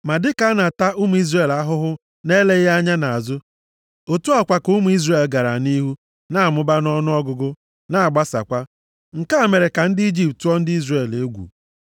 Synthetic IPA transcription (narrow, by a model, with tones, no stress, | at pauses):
ma˨dɪ˦ka˨˦na˨ta˦ʔu˦mu˨˦i˦zre˨la˦ɦʊ˦ɦʊ˦ | ne˦le˦a˦ɲa˦na˨a˨zʊ˦ | o˨tu˦a˦˨kʷa˨ku˦mu˨˦i˦zre˦˨e˨lɡa˨ɾa˨ni˦ɦu˦ | na˦˨mʊ˦ba˦n˦ɔ˦nʊ˦ɔ˦ɡʊ˦ɡʊ˦ | na˦˨a˨ɡ͡ba˦sa̰˨kʷa˦ | ŋ̩˨ka˦˨me˨ɾe˨ka˨n̩˦dɪ˦i˦d͡ʒi˦ptu˦ɔ˦n̩˦dɪ˦i˦zre˨le˦ɡʷṵ˨